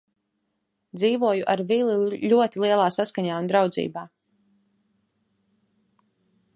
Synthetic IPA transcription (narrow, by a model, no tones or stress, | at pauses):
d̪ziːvuɔjuʔaɾvilˠiʎuɔt̪ilˠiɛlˠaːsaskaɲaːund̪ɾawd̪zḭːbaː